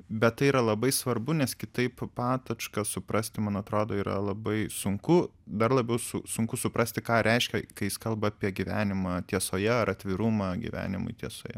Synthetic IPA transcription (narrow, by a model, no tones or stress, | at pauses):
bʲɛt̪t̪ːɐɪiːɾɐlˠɐbɐɪsʋɐrbʊnʲɛskʲɪt̪ɐɪppɑːt̪ɐt͡ʃkɐsʊpɾɐsʲt̪ʲɪmɐnɐt̪ɾoːd̪oːiːɾɐ̰lˠɐbɐɪsʊŋkʊd̪ɐrlˠɐbʲɛʊsʊsʊŋkʊsʊpɾɐsʲt̪ʲɪkɑːɾʲɛɪʃʲkʲɛkɐɪjɪskɐlˠbɐɑːpʲiɛɡʲiʋʲæ̰ːnʲɪmɑt̪ʲiɛsoːjɛɐɾɐt̪ʲʋʲɪɾuːmɑɡʲḭʋʲæ̰ːnʲɪmʊ̰ɪt̪ʲiɛso̰ːjɛ